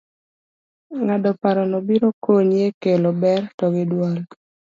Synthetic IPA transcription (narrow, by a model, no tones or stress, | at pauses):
ŋadɔpaɾɔnɔbiɾokʰoɲjekelobɛrtɔɡɪdwal